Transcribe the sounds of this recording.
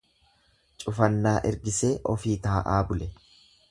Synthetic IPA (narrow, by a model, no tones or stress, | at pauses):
t͡ʃʼʊfɐnːaːʔɛɾɡɪse̞ːʔɔ̰fiːt̪aːʔaːbʊlɛ